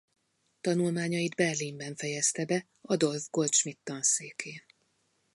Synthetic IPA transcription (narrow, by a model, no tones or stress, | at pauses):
t̪ɒnulmaːɲɒid̪bɛrlimbɛɱfɛjɛst̪ɛbɛ | ɒd̪o̞lvɡo̞lt̪ʃmit̪ːɒnseːkʰeː